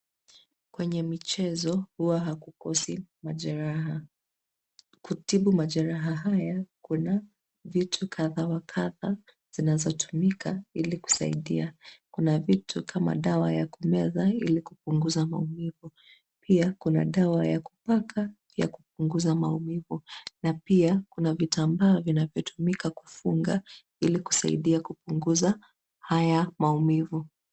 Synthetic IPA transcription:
kwɛɲɛmit͡ʃɛzɔhuwaɦakukɔsimaaa | kutiɓumaʄaɾaɦaɦajakuna | vitʰukʰaðawakʰaða | z̥inazɔtʰu̥mikʰailiku̥sa̰ḭɗiakunavitʰukʰama̰ɗawajakumɛðailikupuŋɡuzama̰umivu | piakuna̰ɗawajaku̥pakʰa | ja̰kup̚uŋɡuzamaumivunapiakunavitʰambaɔvinavjɔtʰumikaku̥fuŋɡa | iliku̥sa̰ḭɗiakupuŋɡuza | hajamaumivu

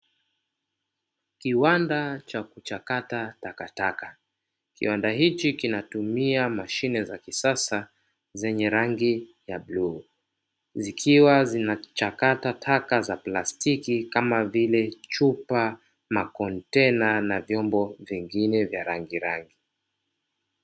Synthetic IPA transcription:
kiwandat͡ʃakut͡ʃakatatakataka | kḭwandahit͡ʃikinatumiamaʃinɛzakisasa | zɛɲɛɾaŋɡijablu | zikʰiwazinat͡ʃakatatʰakazaplastikikamavilɛt͡ʃupa | makɔntɛnanavjɔmbɔviŋɡinɛvjaɾaŋɡiɾaŋɡi

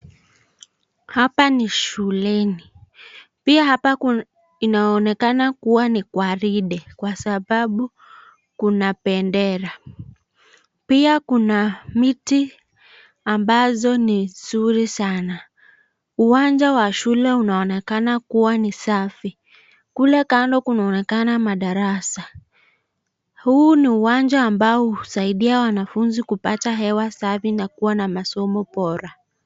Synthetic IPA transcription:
hapaniʃulɛni | piahapa | inaɔnɛkanakuwanikwaɾiɗɛkwasaɓaɓu | kunapɛndɛɾa | piakunamiti | ambazɔnizuɾisana | uwand͡ʒawaʃulɛunaɔnɛkanakuwanisafi | kulɛkandɔkunaɔnɛkanamaɗaɾasa | huːniuwand͡ʒaːmbaɔuusaiɗiawanafunzikupataɦɛwasafinakuwanamasɔmɔpɔɾa

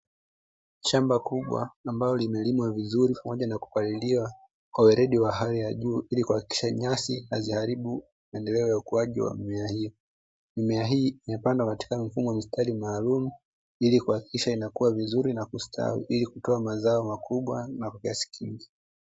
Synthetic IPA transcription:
ʃambakuɓwa̰ːmbalɔlimɛlimwavizuɾipamɔʄanaku̥kaliliwa | kwawɛɾɛɗiwaɦalijaʄuːilikuhaki̥ki̥ʃaɲasihazihaɾiɓu | maɛndɛlɛɔjaukuaʄḭwa̰mimɛahijɔ | mimɛaɦiːimɛpandakati̥kamifumɔamistʰalimaːlumu | ilikuhaki̥kiʃainakuwavizuɾinakustʰa̰wḭʔilikutɔamazaɔmakuɓwanakwakiasi̥kʰiŋɡi

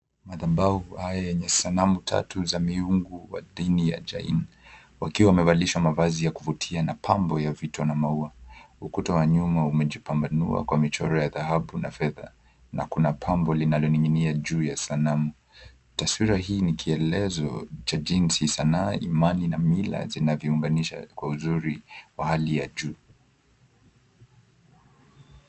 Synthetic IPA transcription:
maðabauhajajɛɲɛsanamutʰa̰tuzamiuŋɡuwa̰ɗinija̰d͡ʒa̰ḭn | wakiwaːmɛvaliʃwamavazijakuvutʰianapʰambɔjavitɔnamaua | ukutɔwaɲumaumɛʄipambanṵa̰kwamit͡ʃɔɾɔjaðaɦaɓunafɛða̰ | na̰kunapʰambɔlinalɔniŋiniaʄuːjasanamu | taswiɾaɦiːnikʰiɛlɛzɔ̰t͡ʃad͡ʒinsisanaːʔimaninamila̰zinavjɔuŋɡaniʃa̰kwauzuɾiwahalijaʄuː

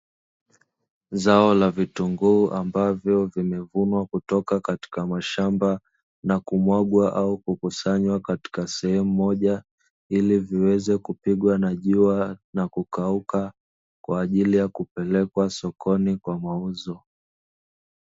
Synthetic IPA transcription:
zaɔlavituŋɡuːʔambavjɔvimɛvunwakutɔkakati̥kamaʃamba | nakumwaɠwaʔaukukusaɲwakati̥kasɛhɛmumɔʄa | iliviwɛzɛkupiɠwanaʄuanakukauka | kwaːʄilijakupɛlɛkwasɔkʰɔnikwamauzɔ

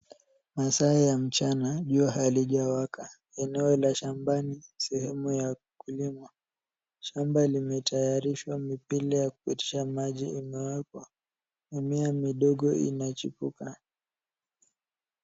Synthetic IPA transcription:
masaijam̩t͡ʃanaʄuaɦaliʄawakʰa | ɛnɛɔlaʃambanisɛhɛmuja | kulima | ʃambalimɛtʰajaɾiʃwamipilijakupiti̥ʃamaʄiimɛwakɔ | imiamiɗɔɠɔḭnat͡ʃipuka

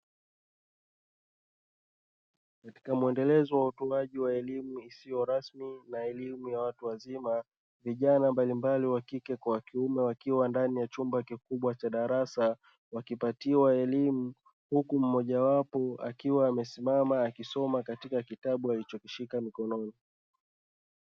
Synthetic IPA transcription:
kati̥kamuɛndɛlɛzɔwautɔaʄiwaɛlimuisijɔɾasminaɛlimujawatuwazima | viʄanambalimbaliwakikɛkwawakiumɛwakiwandanijat͡ʃumbakikuɓwat͡ʃaɗaɾasa | wakipatiwaɛlimu | hukum̩mɔʄawapɔa̰kiwaːmɛsimamaːkisɔmakatikakitaɓualit͡ʃɔkiʃikamikɔnɔni

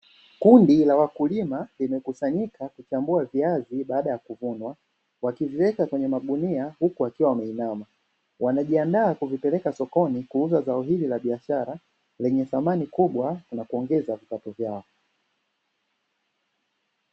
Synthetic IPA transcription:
kundilawakulimalimɛkusaɲikakut͡ʃambuaviaziɓaːɗajakuvunwa | wakiviwɛkakwɛɲɛmaɠuniahukuakiwawamɛinama | wʔanaʄiandaːkuvipɛlɛkasɔkɔnikuuzazaɔɦililaɓiaʃaɾa | lɛɲɛθamanikuɓwanakuɔŋɡɛzavipatɔvjaɔ

